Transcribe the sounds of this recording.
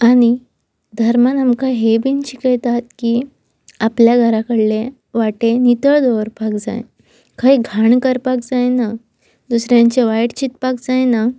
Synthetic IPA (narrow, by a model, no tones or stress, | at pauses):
aɽ̃i | d̪ʱəɾmanamkaɦebint͡ɕikəjt̪at̪kiː | apljaɡʱəɾakəɽle | ʋaʈenit̪əɭd̪oʋəɾpakd͡za̰j | kaɦiɡʱaɳkəɾpak̚d͡zajna | d̪usɾjaɲt͡ɕeʋajʈt͡ɕit̪pak̚d͡zajna